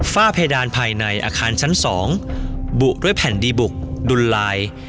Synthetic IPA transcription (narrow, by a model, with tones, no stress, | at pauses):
faː˥˩pʰe˧jdaː˧npʰaː˧jna˧jʔa̰ː˧kʰaː˧nt͡ɕʰa˦˥nsɔː˩˦ŋbu˨˩ʔdu˥˩əjpʰɛ˨˩˦ndiː˧bu˨˩k̚du˧nlaː˧j